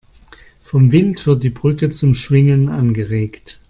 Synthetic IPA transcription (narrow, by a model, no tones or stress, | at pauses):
fɔmvɪntv̥ɪɐt̚d̥iːbʁʏkət͡sʊmʃv̥ɪŋənʔa̰nɡəʁeːkt